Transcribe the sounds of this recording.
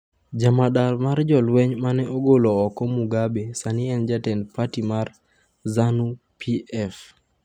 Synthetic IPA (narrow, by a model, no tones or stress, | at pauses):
d͡ʒamaɗalmard͡ʒɔlwɛɲmanɛʔoɡolɔɔkɔmuɡabesaniɛnd͡ʒatɛndpatimar | zanu | pʰiɛf